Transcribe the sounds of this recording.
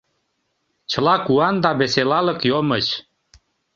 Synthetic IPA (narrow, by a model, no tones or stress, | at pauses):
t͡ɕə̆lɑkuɑnd̪ɑβeselɑlə̆kjomət͡ɕ